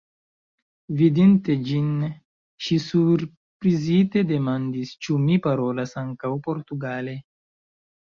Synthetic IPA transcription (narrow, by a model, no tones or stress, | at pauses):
vidinte̞d͡ʒin | ʃisuɾ | pɾizite̞de̞mandist͡ʃumipaɾo̞lasaŋkawpo̞ɾtuɡale̞